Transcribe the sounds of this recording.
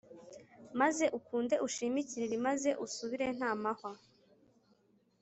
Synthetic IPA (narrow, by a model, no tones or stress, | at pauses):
maze̞ʔukuːnde̞ʔuʃimiciɾiɾimaze̞ʔusuβiɾe̞n̥haːmaha